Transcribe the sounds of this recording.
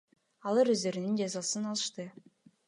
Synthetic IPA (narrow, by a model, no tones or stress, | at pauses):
ɑlˠɯɾøzd̪ø̞ɾynynd͡ʒɑzɑsɯnɑlˠɯʃt̪ɯ